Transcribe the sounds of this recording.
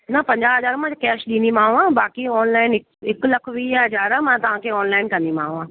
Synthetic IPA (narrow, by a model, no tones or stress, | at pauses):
nɐpɐ̃ɲd͡ʑaɦɐzaːɾmãkɛːʃɗĩːnd̪imãːũãbaːkiɔːnlaːɪnɪkɪklɐkʰʋiːɦɐzaːɾamãt̪ɐʋ̤ãkʰeːɔːnlaːɪnkɐ̃nd̪imãːũãː